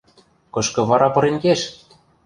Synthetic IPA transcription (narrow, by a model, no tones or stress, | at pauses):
kɤ̆ʃkɤ̆βɑɾʔɑpɤ̆ɾenkeʃ